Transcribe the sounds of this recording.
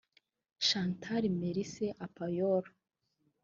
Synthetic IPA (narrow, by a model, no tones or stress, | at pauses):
ʃantʰaɾimeɾiseʔapajoɾa